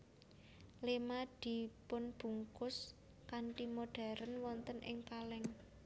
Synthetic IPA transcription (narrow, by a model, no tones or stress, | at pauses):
lemad̪̥i̤pʊnb̥ṳŋkʊs | kaɳʈimoɖ̥a̤ɾənwɔnt̪ənʔɪ̰ŋkalɛŋ